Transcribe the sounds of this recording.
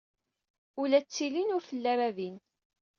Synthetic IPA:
ulæt͡sːilinʊɾfəlːæɾævin

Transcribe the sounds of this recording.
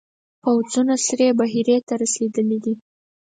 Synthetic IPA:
pawzunasɾebaɦiɾet̪aɾased̪əlid̪i

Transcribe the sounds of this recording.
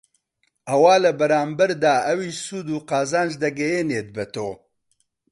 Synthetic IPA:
ʔɐwaːlɐbɐɾaːmbɐɾd̪aːʔɐwiːʃsuːd̪uːqaːzaːnʒd̪ɐɡɛjeːneːt̪̚bɛt̪oː

